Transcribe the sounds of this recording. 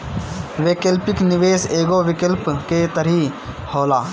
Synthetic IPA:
ʋeːkəlpɪknɪʋeːseːɡoʋɪkəlpket̪əɾi | hoːlaː

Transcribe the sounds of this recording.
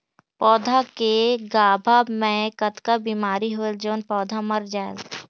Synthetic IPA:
pɔːd̪ʱakeɡaːbʱamẽkɐt̪kabiːmaːɾiɦold͡ʒoːnpɔːd̪ʱamɐɾd͡ʒaːḛl

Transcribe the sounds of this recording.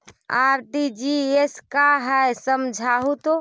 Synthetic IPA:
aɾʈid͡ʒieskaɦɛjsəmd͡ʒʱaɦut̪o

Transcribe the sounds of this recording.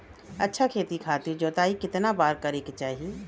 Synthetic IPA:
ɐtːʃʰakʰeːt̪ikʰaːt̪ɪɾd͡ʒoːt̪aːikɪt̪nabaːɾkɐɾeket͡ʃaːɦie

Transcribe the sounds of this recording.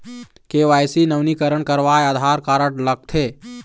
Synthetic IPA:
keʋajsinəwnikəɾəɳkəɾʋajad̪ʱaɾkaɾəɽləɡ̚t̪ʰe

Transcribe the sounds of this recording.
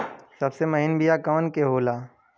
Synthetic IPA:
sɐbsemɐɦɪnbijakɐʋənkeɦoːlaː

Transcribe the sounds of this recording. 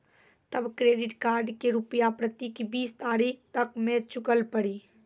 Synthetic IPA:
t̪əbkɾeːɖɪʈkaːɾɖkeɾʊpjapɾət̪ikibiːst̪aːɾiːk̚ʰt̪əkmẽt͡ʃʊkəlpəɽiː

